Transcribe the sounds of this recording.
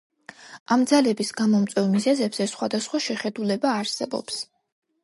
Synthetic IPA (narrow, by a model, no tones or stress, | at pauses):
amd̪zalɛbisɡamɔmt̪sʼwɛvmizɛzɛbz̥ɛsχwad̪asχwaʃɛχɛd̪ulɛbaːɾsɛbɔ̰ps